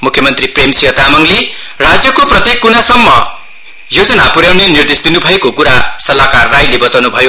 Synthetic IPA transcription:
mukʰjʌmʌnt̪ripremsiɦʌt̪amʌŋle | rad͡zjʌkoprʌt̪jekːunasʌmːʌ̰ | jod͡zʌnapuɾjawnenird̪esd̪inubʱʌekokuɾasʌlakarːajlebʌt̪awnubʱʌjo

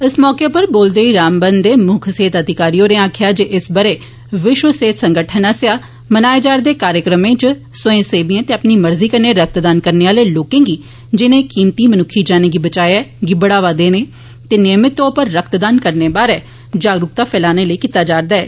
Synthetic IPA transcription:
ɪsmɔːkeːpəɾboːld̪eːiːɾaːmbənd̪eːmʊkʰseːt̪əd̪ɪkaːɾioːɾẽːaːkʰɪjaːd͡ʒeːʔɪsbəɾeː | ʋɪʃʋəseːt̪səŋɡəʈʰənasjaː | mənaːed͡ʒaːɾd̪eːkaːɾjəkɾəmẽːt͡ʃsʊẽːseːbiːẽːt̪eːəpniːməɾziːkəɾneːɾək̚ʰt̪d̪aːnkəɾneːʋaːleːloːkẽːɡiː | d͡ʒɪnẽːkiːmt̪iːmənʊkʰːiːd͡ʒaːnẽːɡiːbət͡ʃaːjɛːɡɪbəɽaːʋaːd̪eːneː | t̪eːneːmɪt̪ːõːpəɾːəkt̪d̪aːnkəɾneːbaːɾɛː | d͡ʒaːɡɾʊk̚t̪aːpʰɛːlaːneːləiːkit̪aːd͡ʒaːɾd̪aːɛ̰ː

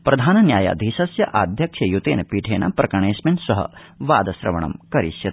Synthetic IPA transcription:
pɾʔɐd̪ʱaːnɐnjaːja̰d̪ʱiːʃɐsjɐʔaːd̪ʱjɐkʂɐjut̪eːnɐpiːʈʰeːnɐ̰pɾɐkɐɳeːsmɐnsɐɦɐ̰ | ʋaːd̪ɐsɾɐ̰ʋɐ̰ɳɐ̰mkɐɾḭʃjɐt̪

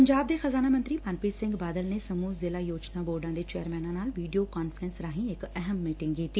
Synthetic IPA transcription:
pɐɲd͡ʒaːbd̪exɐzaːnaːmə̃nt̪ɾimaːnpiːsɪ̃ŋɡbaːd̪əlnesɐmuːzɪlajoːd͡ʒnaboːɾɖãːd̪et͡ʃɛːəɾmɛːnãːnaːlʋiːɖijokaːnfəɾənsɾaːɦĩɪkɛɦəmːiːʈɪ̃ŋɡkiːt̪iː

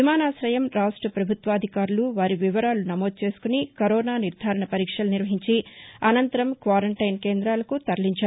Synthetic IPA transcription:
imaːnaːsɾɐjɐmɾaːʂʈɾɐpɾɐbʱut̪ʋɐːd̪ʱikaːɾuluʋaːɾiʋiʋɐɾaːlunɐmo̞ːd̪̚t͡ʃe̞ːsu̥kunikɐɾɔːnaːniɾd̪ʱaːɾɐɳɐpɐɾiːkʂɐlɐniɾʋɐɦiɲt͡ʃiɐnɐnt̪ɐɾɐmkʋaːɾɐɳʈɐjnke̞ːnd̪ɾaːlɐkut̪ɐɾɐliɲt͡ʃaːɾu

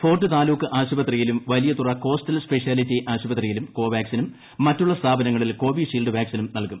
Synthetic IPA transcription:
fo̞ːrʈːɨt̪aːluːkːɨʔaːɕubɐt̪rijilumʋɐlijɐt̪urɐko̞ːstɐlspe̞ʂjaːlitːiʔaːɕubɐt̪rijilumko̞ːʋjaːksinumː | ɐtːuɭːɐst̪ʰaːbʱɐnɐŋːɐɭilko̞ːbiːʂiːlɖɨʋjaːksinumnɐlkum

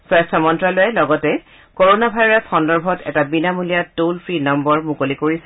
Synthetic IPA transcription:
swɛstʰɔmɔntɹalojɛlɔɡɔtɛ | koɹonabʱajɹasxɔndɔɹbʱɔtɛ̰tabinamulijatolpʰɹinɔmbɔɹmukolikoɹisɛ

